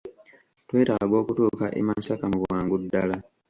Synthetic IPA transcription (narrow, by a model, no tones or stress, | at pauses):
twe̞ːtaɡaɡwo̞ːkutuːkaʔemasakamuβwaːŋɡudːala